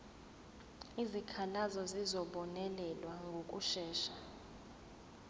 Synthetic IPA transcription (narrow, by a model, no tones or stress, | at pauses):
izikʰalazɔzizɔɓɔnɛlɛlwaŋɡʱok̬ʼuʃɛːʃa